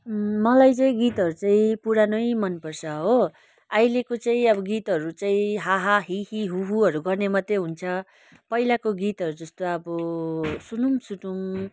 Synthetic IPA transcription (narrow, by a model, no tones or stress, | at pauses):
mʌlajt͡saĩɡit̪ʌɾut͡saĩpuɾanʌjmʌnpʌrt͡sʰʌɦo | ajlekot͡saĩʌbʌɡit̪ɦʌɾut͡saĩɦaɦaɦiɦiɦuɦuʌɾuɡʌrnemʌt̪jeɦunt͡sʰʌ | pʌilakoɡit̪ʌɾud͡zʌst̪oʌbʌsunumsuʈum